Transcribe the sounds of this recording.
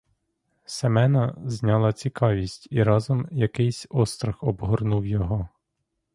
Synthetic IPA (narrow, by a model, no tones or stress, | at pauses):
semɛnɐzʲnʲɑlˠɐt͡sʲikɑʋʲisʲtʲiɾɑzɔmjɐkɪjsʲɔst̪ɾɐxɔbɦɔrnuwjɔɦɔ